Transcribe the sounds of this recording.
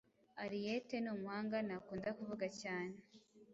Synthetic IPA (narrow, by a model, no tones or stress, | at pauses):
aɾijete̞nuːmwaːŋɡanakuːndakuvuɡacaːne